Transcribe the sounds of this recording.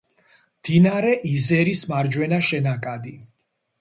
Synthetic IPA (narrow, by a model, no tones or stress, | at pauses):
md̪̥inaɾɛʔizɛɾismaɾd͡ʒwɛnaʃɛnakʼad̪i